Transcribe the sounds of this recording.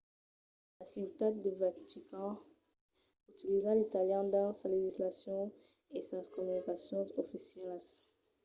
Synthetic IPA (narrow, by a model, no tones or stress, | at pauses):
lasit̪ad̪evat̪ikɑ̃ | ut̪ilizãlet̪aljɑ̃d̪ɑ̃saleʒislasjɔ̃ | esaskɔmynikasjɔ̃zofisjɛls